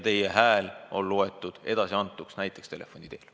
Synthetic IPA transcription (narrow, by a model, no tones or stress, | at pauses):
t̪e̞jeɦæːlo̞̰lːoet̪ːˑud̪̥e̞d̪̥ɑsiɑnt̪ːˑuksnæjt̪ːˑe̞kst̪e̞lʔe̞fo̞nʲid̪e̞ːl